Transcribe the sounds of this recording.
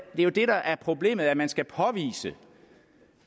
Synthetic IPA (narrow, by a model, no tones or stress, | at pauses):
d̥e̝æjo̝d̥e̝ɾɑ̈ʔæɐpʰʁo̝ble̝̰ːmð̞̩ˠæɐmænsɡ̥æpʰɒ̽ʋḭːsə